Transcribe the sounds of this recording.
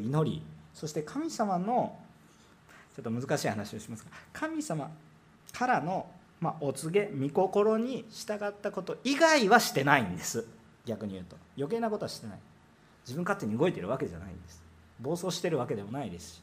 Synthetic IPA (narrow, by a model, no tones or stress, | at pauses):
ino̞ɾʲḭso̞ɕi̥t̪e̞kʰamʲisamano̞ | t͡ɕo̞t̪ːomɯ̟zɨkaɕiːhanaɕio̞ɕimasɨ̥kakʰamʲisama | kʰaɾano̞ | maʔot͡sɨɡe̞mʲiko̞ko̞ɾo̞ɲ̟iɕi̥t̪aɡat̪ːako̞t̪o̞ʔiɡaiβaɕi̥t̪e̞naĩnd̪e̞sɨ | ɡʲakɯ̟ɲ̟ijɯ̟ːt̪o̞jo̞ke̞ːnakot̪o̞aɕi̥t̪e̞na̰i | d͡ʑibɯ̟̃ŋkat̪ːe̞ɲ̟iɯɡo̞it̪e̞ɾɯ̟β̞ake̞ʑa̰na̰ḭ̃nd̪esɨ̥ | bo̞ːso̞ːɕi̥t̪e̞ɾɯ̟βake̞d̪e̞mo̞naid̪e̞sɨ̥ɕi̥